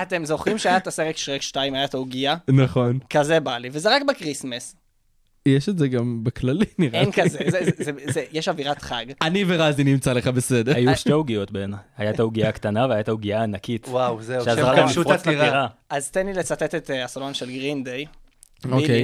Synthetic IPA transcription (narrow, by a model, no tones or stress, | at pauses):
at̪e̞mzo̞χʁimʃeajat̪aseʁekʃʁekʃtaimajatauɡianaχo̞nkazebalivezeʁakbekʁismes | jeʃetzeɡambekʰlaliniʁenkazezezzezejeʃaviʁat̪χaɡaniveʁazinimt͡saleχabesedeajuʃteuɡijotbenahajat̪auɡiakt̪anaveajat̪auɡiaːnakit̪wawzeʃeazʁaiʃuʁiʁaʁaazt̪enlilet͡satet̪et̪asalonʃelɡʁind̪ej | okej